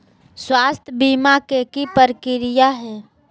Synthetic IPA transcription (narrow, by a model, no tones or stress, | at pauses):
swaːst̪ʰbiːmakekipəɾkɪɾɪjaɦɛː